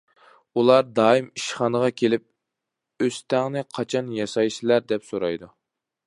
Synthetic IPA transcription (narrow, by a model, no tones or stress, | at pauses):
ulˠɑɾd̪ɑːimiʃχɑnəʁɑkʲʰelɪp̚ | øst̪ʰæŋnɪqʰɑt͡ʃʰɑnjɑsɑjʃilæɾd̪ɛpsoɾɑ̰jd̪u